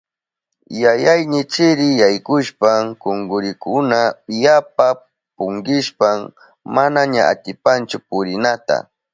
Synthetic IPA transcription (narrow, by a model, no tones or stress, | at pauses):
jajajnɪt͡ʃɪɾɪjajkʊʃpaŋkoŋɡʊɾɪkʊnajap̚a | pʊŋɡɪʃpam | manaɲaa̰t̪ɪpant͡ʃʊpʊɾɪnat̪a̰